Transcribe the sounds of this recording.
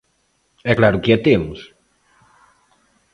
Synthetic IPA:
ɛklaɾukiat̪emus

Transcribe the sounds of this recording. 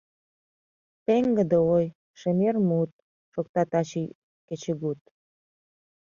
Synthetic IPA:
peŋɡə̆d̪əoj | ʃemermut̪̚ | ʃok̚t̪ɑt̪ɑt͡ɕi | ket͡ɕəɣut̪̚

